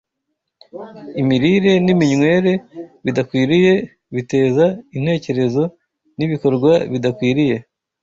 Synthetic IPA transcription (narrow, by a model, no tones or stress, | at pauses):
imiɾiɾe̞nimiɲŋwe̞ːɾe̞βidakwiːɾije̞ | βite̞ːzain̥he̞ːce̞ɾe̞zo̞ | niβiko̞ɾɡwaβidakwiːɾije̞